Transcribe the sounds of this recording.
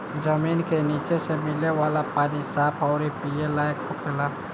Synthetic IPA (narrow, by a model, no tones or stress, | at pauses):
d͡ʒəmiːnkeniːt͡ʃesemɪlewaːlapaːnisaːpʰɔʊɾipijelaːekkopʰela